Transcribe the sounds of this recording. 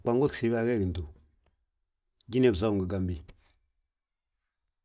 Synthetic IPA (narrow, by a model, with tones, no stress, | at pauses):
k͡pa˨ŋɡo̥˦˨si˨˦ba˦ɡɛ˦˨ɡi˨n˨du˨ | ɟi˦ne˦˨bza˦ŋɡə˨ɡa˨mbi˨